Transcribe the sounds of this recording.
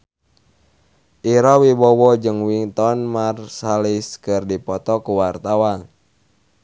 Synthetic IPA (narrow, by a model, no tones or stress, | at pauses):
ʔiɾɔwibɔwɔd͡ʒɨŋwiŋt̪ɔnmarsaliskɨrdipɔt̪ɔkuwart̪awan